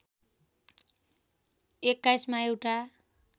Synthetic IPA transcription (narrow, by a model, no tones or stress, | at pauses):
ekːajsmaewʈa